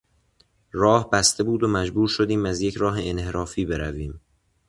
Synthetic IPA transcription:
ɾɒːhbæst̪e̞buːd̪omæd͡ʒbuːɾʃod̪iːmæzje̞cʰɾɒːɦe̞ːnheɾɒːfiːbe̞ɾæviːm

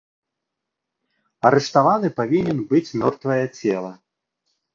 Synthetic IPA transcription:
ɐɾɛʂt̪avanɨpavʲinʲɛnbɨt͡sʲmʲɔrt̪vɐjɐt͡sʲɛlˠɐ

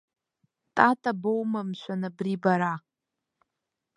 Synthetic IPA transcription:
tʼatʼabowmamʃʷanabribaɾa

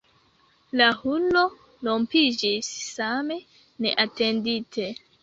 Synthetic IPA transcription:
lahuno̞ | lo̞mpid͡ʒisːame̞ | ne̞̰ʔate̞nditʰe̞

